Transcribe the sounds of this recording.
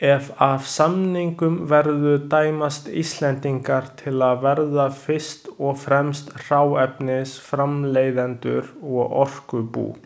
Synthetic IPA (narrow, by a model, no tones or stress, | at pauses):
ɛvavsamniŋkʏmvɛɾðʏt̪aːjmast̪ḭst̪lɛnt̪iŋkaɾ̥t̪ʰɪlaðvɛɾðafɪ̥st̪ɔɣfɾɛmst̪r̥aːwɛpnɪsfɾamleːjðɛnt̪ʏɾɔɣɔr̥kʏpṵː